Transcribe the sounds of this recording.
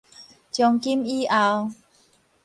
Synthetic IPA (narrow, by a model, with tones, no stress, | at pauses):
t͡ɕjɔ˧ŋki˦mi˦ʔa˧w